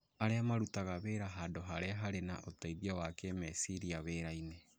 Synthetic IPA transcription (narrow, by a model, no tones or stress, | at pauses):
aɾeamaɾutaɣaβeːɾaɦaːndoɦaɾeaɦaɾena̰ʔotaiðiawakemɛsiɾiaβeːɾaine